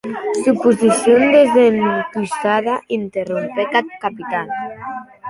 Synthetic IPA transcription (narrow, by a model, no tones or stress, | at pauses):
supuzisjond̪ezenkusaðaʔint̪erumpekat̪̚kapit̪an